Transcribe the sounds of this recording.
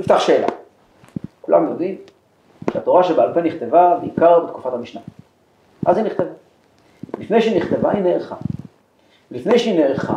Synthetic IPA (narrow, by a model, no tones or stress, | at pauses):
nift̪aχʃeːla̰ | kulʔa̰mjod̪im | ʃeat̪o̞ʁaʃebealpeniχt̪e̞vabeikaʁbet̪ku̥fathamiʃna | ʔaziniχt̪e̞va | lifne̞jʃiniχt̪e̞vaineːʁχa | lifne̞jʃeineːχa̰